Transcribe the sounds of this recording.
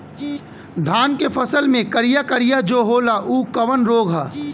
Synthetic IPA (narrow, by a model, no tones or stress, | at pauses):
d̪ʱaːnkepʰəsəlmẽkəɾijakəɾijad͡ʒoːɦoːlaʔuːkɐʋənɾoːɡʱɦaː